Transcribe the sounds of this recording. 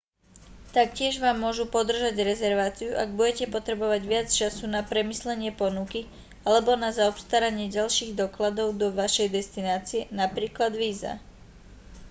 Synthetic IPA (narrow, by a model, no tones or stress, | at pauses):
t̪ak̚cɪɛʒʋaːmːʊɔʒupɔd̪r̩ʒaɟɾɛzɛɾʋaːt͡siuʔaɡbuɟɛcɛpɔt̪ɾɛbɔʋaɟʋɪat͡st͡ʃasunapɾɛmislɛɲɪɛpɔnuki | alɛbɔnazaɔpst̪aɾaɲɪɛɟalʃiːɣd̪ɔklad̪ɔʊd̪ɔʋaʃɛjd̪ɛst̪inaːt͡siɛnapɾiːklad̪ʋiːza̰